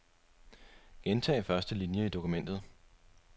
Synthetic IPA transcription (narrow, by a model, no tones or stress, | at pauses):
ɡ̥ent͡sʰɛ̰ːfɶɐsd̥əlinjəid̥o̝kumen̰d̥ð̞̩ˠ